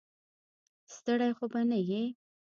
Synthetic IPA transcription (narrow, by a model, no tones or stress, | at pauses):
st̪əɽajxobanaje